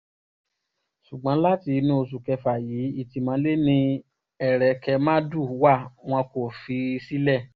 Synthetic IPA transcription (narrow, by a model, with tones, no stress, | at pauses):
ʃu˨ɡ͡bã˨˦la˦ti˧nũ˦o˧s̬u˨kɛ˧fa˨jiː˨˦i˦˨ti˧˦mã˨˦le˦nĩ˧ | ɛ˨ɾɛ˨kɛ˧mã˦du˦˨wa˦˨w̃ɔ̃˧ko˨fi˧si˦lɛ˦˨